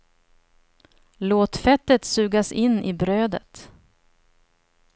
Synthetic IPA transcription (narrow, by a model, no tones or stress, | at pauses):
loːt̪fɛt̪ːət̪sʉ̟ːɡasɪnːɪbɾøːd̪ə̰t̪